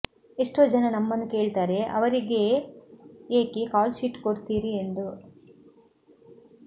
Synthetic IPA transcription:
eʂʈoːd͡ʒɐnɐnɐmːɐnːuke̞ːɭt̪aːɾe̞ʔɐ̰ʋɐɾiɡe | eːkekaːlsiʈkoɽt̪iːɾiend̪u

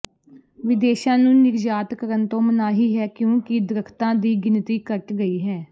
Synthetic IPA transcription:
ʋɪd̪eːʃãːnũːnɪɾd͡ʒaːt̪kəɾənt̪õːmənaːɦiːɦɛːkjõːkɪd̪ɾəkʰt̪ãːd̪iːɡɪnt̪iːkəʈɡəiːɦɛː

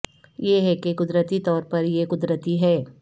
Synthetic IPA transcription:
jeɦɛkekʊd̪ɾət̪it̪ɔːɾpɐɾjekʊd̪ɾət̪iɦɛː

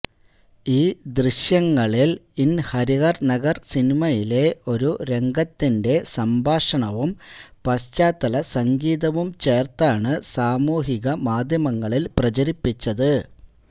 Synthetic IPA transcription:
iːd̪riɕjɐŋːɐɭilinhɐɾiɣɐrnɐɣɐrsinimɐjile̞o̞ɾuɾe̞ŋɡɐt̪ːinde̞sɐmbʱaːʂɐɳɐʋumpɐst͡ɕaːt̪ːɐlɐsɐŋɡiːðɐʋumt͡ɕe̞ːrt̪aːɳɨsaːmuːɦiɣɐmaːd̪ʱjɐmɐŋːɐɭilprɐt͡ɕɐɾipːit͡ɕːɐðɨ

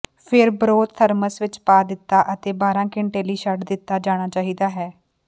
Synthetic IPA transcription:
pʰɪɾbəɾoːd̪̚t̪ʰəɾməsʋɪt͡ʃpaːd̪ɪt̪ːaːʔət̪eːbaːɾãːkɪɳʈeːləiːʃəɖd̪ɪt̪ːaːd͡ʒaːɽ̃aːt͡ʃaːɦiːd̪aːɦɛː

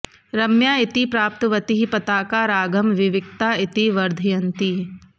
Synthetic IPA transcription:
ɾɐmjaːɪt̪ipɾaːp̚t̪ʋɐt̪iɦipɐt̪aːkaːɾaːɡɐmʋɪʋɪk̚t̪aːɪt̪iʋɐɾd̪ʱijɐ̃nt̪i

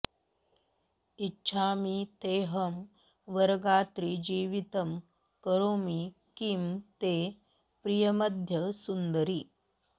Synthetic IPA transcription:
itːɕʰaːmit̪eːɦɐm | ʋɐɾɡaːt̪ɾid͡ʒiːʋit̪ɐm | kɐɾoːmi | kimt̪eː | pɾijɐmɐd̪ʱjɐsund̪əɾiː

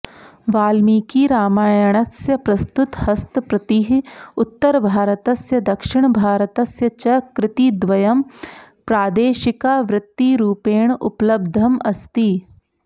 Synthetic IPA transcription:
ʋaːlmiːkiɾaːmaːjɐɽ̃ɐsjɐpɾɐst̪ʊt̪hɐst̪pɾɐt̪iɦʊt̪ːɐɾbʱaːɾət̪ɐsjɐd̪ɐkʃɪɳ̃bʱaːɾət̪ɐsjɐt͡ʃɐkɾɪt̪id̪ʋɐjɐm | pɾaːd̪eːʃɪkaːʋɾɪt̪ːiɾuːpeːɳʊ̰plɐb̚d̪ʱɐmɐst̪i

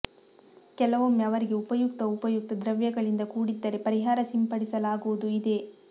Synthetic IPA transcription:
kɛlɐʋomɐʋɐɾiɡe̞upɐjuk̚t̪ɐupɐjuk̚t̪ɐd̪ɾɐʋjɐɡɐɭind̪ɐkuːɽid̪ːɐɾe̞pɐɾiɦaːɾɐsimpɐɽisɐlaːɡuʋud̪uid̪e̞

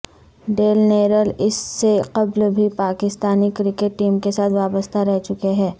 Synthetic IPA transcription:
ɖeːlneːɾəlɪsːeqɐblbʱipaːkɪst̪aːnikɾɪkeʈːiːmkesaːt̪ʰʋaːbəst̪ʰaɾɛɦt͡ʃʊkeɦɛː

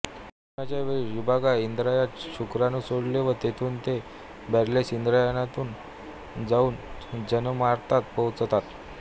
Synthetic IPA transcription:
əmjat͡ɕjaʋeɭiʋibʱaɡaind̪ɾajat̪ɕukɾanusoɽleʋət̪et̪ʰuːnt̪e | bɛɾlesind̪ɾajənat̪uːn | d͡zauːnd͡ʑənmaɾt̪at̪pəwt͡st̪at̪

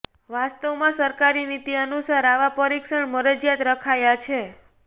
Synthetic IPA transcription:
ʋast̪əʋmãsəɾkaɾinit̪iənusaɾaʋapəɾikʃəɳməɾəd͡ʒjat̪ɾəkʰajat͡ʃʰe

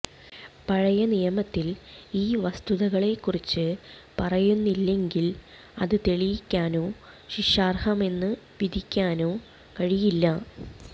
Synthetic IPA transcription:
pɐɻɐjɐnijɐmɐt̪ːiliːʋɐst̪uðɐɣɐɭe̞kːurit͡ɕːɨpɐrɐjunːilːe̞ŋɡil | ɐðɨt̪e̞ɭijikʲːaːno̞ː | ɕiʂaːrhɐme̞nːɨ | ʋid̪ʱikʲːaːno̞ː | kɐɻijilːɐ

